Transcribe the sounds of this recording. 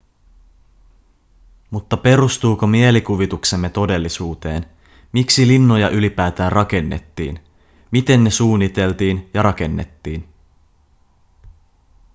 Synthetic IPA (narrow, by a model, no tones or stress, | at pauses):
mut̪ːɑpe̞ɾust̪uːko̞mie̞likuʋit̪ukse̞mːe̞t̪o̞de̞lːisuːt̪e̞̰ːn | miksilinːo̞jɑʔylipæːt̪æːnrɑke̞nːḛt̪ːḭːn | mit̪e̞nːe̞suːnːit̪e̞lt̪iːnjɑɾɑke̞nːḛt̪ːiːn